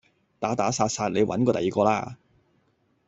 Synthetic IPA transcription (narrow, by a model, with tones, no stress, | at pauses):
t̪aː˨˥t̪aː˨˥saː˧t̚saː˧t̚le˨˧jwʔɐ̰˨˥nkɔː˧t̪ɐ˨jiː˨˩kɔː˧laː˧